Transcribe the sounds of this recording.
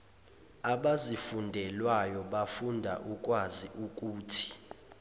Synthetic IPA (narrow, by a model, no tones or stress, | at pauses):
aɓazifundʱɛlwajɔɓafundʱa̰ʔuk̬ʼwaziʔuk̬ʼuːtʰi̥